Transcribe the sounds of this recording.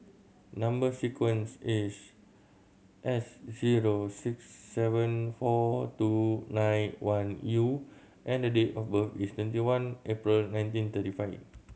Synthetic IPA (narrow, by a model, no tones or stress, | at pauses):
nãmbəsikwə̃nsis | ʔɛsziɹosiksːɛvə̃nfɔtunãjnwãnju | ʔɛ̃ndədetɔfbəfist̪wɛ̃ntiwãnʔepɹilnãj̃ntĩnt̪ətifaɪf